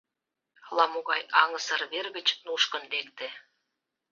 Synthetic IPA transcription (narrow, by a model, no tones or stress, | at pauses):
lɑmoɣɑjɑŋəsərβerɣə̆t͡ɕnuʃkə̆nlek̚t̪ĕ